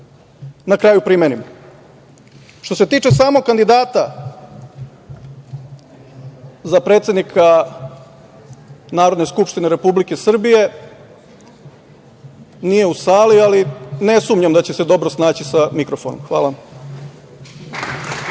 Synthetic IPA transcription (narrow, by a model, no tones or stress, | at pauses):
nakɾaːjupɾimenim | ʃt̪o̞se̞t̪iːt͡ʃe̞saːmokkːand̪id̪aːt̪a | zapɾe̞ːt̪se̞d̪nikʰa | naːɾo̞d̪ne̞skupʃt̪ineɾe̞publike̞sr̩bije̞ | nije̞usaːlialine̞sumɲamd̪at͡ɕe̞se̞d̪o̞bɾosnaːt͡ɕisamikɾofono̰mxʋa̰ːlam